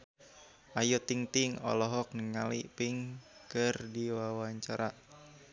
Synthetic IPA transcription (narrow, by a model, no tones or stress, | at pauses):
ʔajot̪iŋt̪ɪŋɔ̰lɔɦɔk̚nəŋalḭpɪŋkərdiwawaɲt͡ʃaɾa